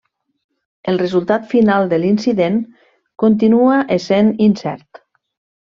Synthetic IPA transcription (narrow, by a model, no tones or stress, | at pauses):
əlˠrəzulˠt̪at̪finalˠd̪əlinsiðen | kont̪̬inuaʔeseninsɛ̰ɾt̪